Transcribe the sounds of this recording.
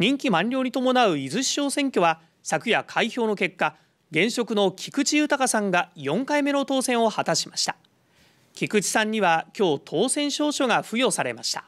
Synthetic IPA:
ɲĩŋkʲimãɲʲo̞ːɲ̟it̪o̞mo̞naɯ̟izɨɕːo̞ːsẽ̞ŋkʲo̞βa | sakɯ̟jakʰaiço̞ːno̞ke̞kːa | ɡẽ̞ɰ̃ɕo̞kɯ̟no̞kʲʰi̥kɯ̟t͡ɕijɯ̟ːt̪akasãŋɡajõ̞ŋkaime̞no̞t̪o̞ːsẽ̞ɰ̃o̞hat̪aɕimaɕi̥t̪ḁ | kʲikɯ̟t͡ɕi̥sãɲ̟ːiβakʲo̞ːt̪ʰo̞ːsẽ̞ɰ̃ɕo̞ːɕo̞ɡaɸɯ̟jo̞ːsaɾe̞̰maɕi̥t̪ḁ

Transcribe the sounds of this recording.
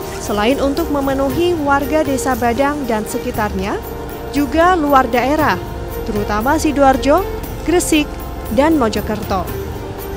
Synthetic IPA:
səlaɪnunt̪ʊk̚məmənuɦiwarɡadesabadaŋdansəkit̪arɲa | d͡ʒuɡaluardaeɾah | t̪əɾut̪amasiduard͡ʒɔ | ɡ̥ɾəsɪk̚ | danmod͡ʒɔkərt̪ɔ

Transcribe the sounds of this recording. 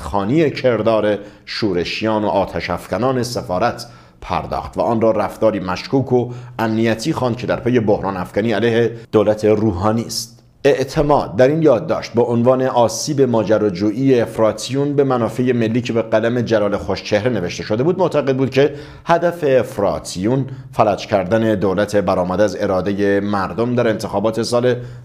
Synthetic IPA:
xɒːniːecʰe̞ɾd̪ɒːɾe | ʃuːɾe̞ʃijɒːno̞̰ʔɒːt̪ʰæʃæfɡænɒːne̞sefɒːɾæt̪ʰ | pʰæ̰ɾd̪ɒ̰ːχt̪væ̰ʔɒːnrɒːræft̪ɒːɾiːmæʃkuːkʰo̞æmnijæt̪ʰiːxɑnd̪̚cʰe̞d̪æɾpʰeje̞bohɾɒːnæfɡ̥æniːælæjhe̞d̪̥oːlæt̪ʰe̞ɾuːɦɒːniːst̪ | e̞ʔt̪ʰe̞mɒːd̪̚ːæɾiːnjɒːd̪̚ːɒ̰ːʃt̪̚beʔonvɑːne̞ʔɒːsiːbe̞mɒːd͡ʒæɾɒːd͡ʒuːʔiːeːfɾɒːt̪ʰijunbe̞mænɒːfeje̞me̞lːiːcʰe̞beɡælæme̞d͡ʒælɒːlexoʃt͡ʃʰe̞hɾene̞ve̞ʃt̪e̞ʃo̞d̪e̞buːd̪moʔt̪ʰæɣe̞d̪̚buːd̪̚cʰe̞ | hæd̪æfe̞ːfɾɒ̰ːt̪ʰijun | fælæd͡ʒcʰæɾd̪æne̞d̪oːlæt̪ʰe̞bæɾɒːmæd̪eæze̞ɾɒːd̪eje̞mæɾd̪omd̪æɾe̞nt̪ʰexɒːbɒːt̪ʰe̞sɒːle

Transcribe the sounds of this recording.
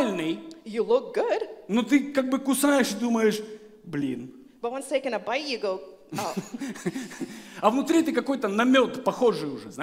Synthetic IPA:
lʲnɨjjɨlʊk̚ɡ̥ʊd̥not̪ɨkaɡ̚bɨkʊsajɪʂɨd̪uməjɪʂ | blʲḭn | b̥ɐt̚wʌ̃nstʰeɪkɨ̃nəbaɪtjɨɡoʊ | ɐvnʊt̪ɾʲit̪ɨkɐko̞jt̪ənɐmʲo̞t̪pɐxo̞ʐɨjʊʐɛzna

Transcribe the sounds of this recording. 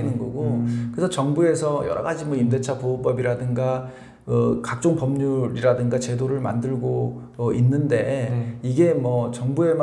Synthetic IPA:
nɯnɡʌ̰ɡokɯɾesʰʌt͡ɕʌŋbue̞sʰʌjʌɾʌ̰ɡad͡ʑimwʌimde̞t͡ɕʰapoop͈ʌbiɾadɯŋɡa | ʌkak̚t͡ɕ͈oŋpʌmɲuɾiɾadɯŋɡat͡ɕe̞doɾɯɭma̰ndɯɭɡo | ʌʔinːɯnde̞iɡe̞mwʌt͡ɕʌŋbue̞m

